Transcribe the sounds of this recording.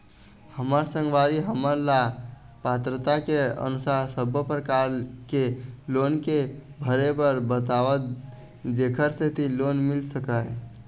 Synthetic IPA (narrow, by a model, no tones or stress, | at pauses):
həməɾsə̃ŋɡʋaɾiɦəməɾla | pat̪ɾət̪akeə̰nusaɦsəbʱəpɾəkaɾkelonkebʱəɾebəɾbət̪aʋə | d͡ʒekʰəɾset̪ilonmilsəkaj